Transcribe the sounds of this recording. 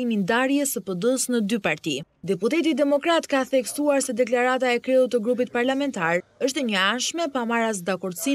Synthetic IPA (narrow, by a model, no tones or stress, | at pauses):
imind̪aɾjɛsəpəd̪əsnəd̪ypaɾt̪i | d̪ɛput̪ɛt̪̬id̪ɛmɔkɾat̪kaθɛksuaɾsɛd̪ɛklaɾat̪aɛkɾɛut̪ːəɡɾup̬it̪̚paɾlamɛnt̪aɾəʃt̪ɛɲəanʃmɛpamaɾas̬d̪akɔɾd̪si